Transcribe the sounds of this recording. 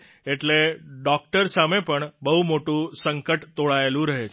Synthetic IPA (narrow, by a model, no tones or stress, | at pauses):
eʈleɖɔk̚ʈəɾsamepəɳbəɦumoʈũsəŋkəʈt̪oɭaelũɾəɦet͡ʃʰ